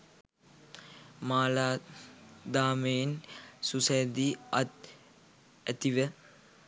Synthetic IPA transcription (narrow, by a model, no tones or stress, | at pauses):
maːlaː | d̪aːmejensusɐjd̪iat̪̚ | æt̪iʋə